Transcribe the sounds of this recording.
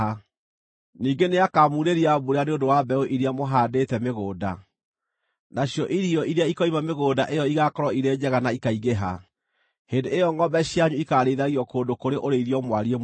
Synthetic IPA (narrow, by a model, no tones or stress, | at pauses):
a | niːŋɡeneakamuɾeɾiabuɾeaneondowabɛoʔiɾeamoɦaːdetɛmeɣoːda | naɕjɔʔiɾiɔʔiɾeaikɔimameɣoːdaʔejɔiɣakɔɾɔiɾeːd͡ʑɛɣanaikaiɣeɦa̰ | hendeejɔŋɡɔbɛɕjaɲuikaɾeðaɣiɔkoːndokoɾeʔoɾeiɾiɔmwaɾie